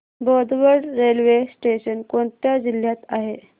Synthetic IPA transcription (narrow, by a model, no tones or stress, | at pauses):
bɔd̪ʋəɾɖɾelʋesʈeɕənkoɳt̪jad͡ʑil̤jat̪aɦe